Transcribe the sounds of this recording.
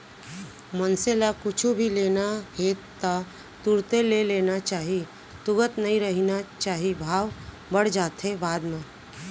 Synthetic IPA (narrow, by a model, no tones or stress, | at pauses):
mənselakʊt͡ʃʰubʱileːnaɦeː | t̪a | t̪uɾt̪eleleːnat͡ʃaːɦi | t̪ʊɡət̪nɐɦĩɾəɦinat͡ʃaːɦibʱaːʋ | bəɽ̤d͡ʒaːt̪ɦebaːd̪mẽː